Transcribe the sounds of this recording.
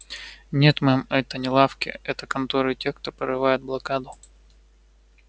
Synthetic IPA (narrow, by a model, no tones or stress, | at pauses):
nʲe̞t̪mɛmɛt̪ənʲɪlˠafkʲɪ̰ɛt̪əkɐnt̪oɾɨtʲe̞xkt̪o̞pəɾɨvajɪt̪̚blˠɐkad̪ʊ